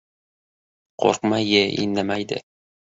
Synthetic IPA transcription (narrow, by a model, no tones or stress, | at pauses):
qʰo̰ɾqmajeʔḭnːamajd̪ɪ̰